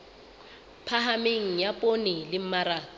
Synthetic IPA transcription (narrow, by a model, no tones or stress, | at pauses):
pʰaɦameŋ̩japʼonɪlɪm̩maɾaːt͡s